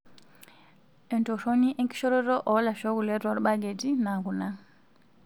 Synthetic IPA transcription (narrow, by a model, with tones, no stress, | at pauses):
ɛ˨nto˨ʃɔ˦ni˦ʔɛ˦ŋki̥˦ʃɔ˦ɾɔ˦ɾɔ˦ʔɔ˨˦la˨ʃɔ˦ku˨lɛ˦twa˨ɾu˦ɓa˦ɡe˨ti˦na˨ku˨na˦